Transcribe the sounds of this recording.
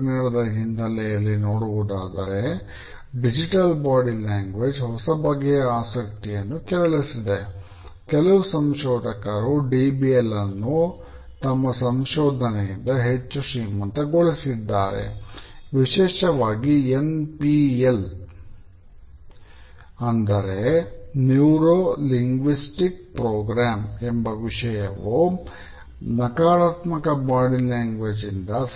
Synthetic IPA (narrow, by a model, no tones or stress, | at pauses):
nɐɽɐd̪ɐɦind̪ɐlɛjɐlːinoːɽuʋud̪aːd̪ɐɾe̞ | ɖid͡ʒiʈɐlbaːɽilaːŋɡʋed͡ʒɦɔsɐbɐɡːɛjɐaːsɐk̚t̪ijɐnːukɛɾɐɭisid̪e̞ | kɛlɐʋusɐmʃɔːd̪ʱɐkɐɾuɖiːbielːɐnːu | t̪ɐmːɐsɐmʃɔːd̪ʱɐnɛjind̪ɐɦet͡ʃːuʂiːmɐnt̪ɐɡoɭisid̪ːaːɾḛʋiʃɛːʃɐʋaːɡienpiel | ɐnd̪ɐɾe̞njuːɾoːliŋɡʋisʈik̚pɾoːɡɾaːmembɐʋiʂɐjɐʋu | nɐkaːɾaːt̪mɐkɐbaːɽilaːŋɡʋed͡ʒind̪ɐ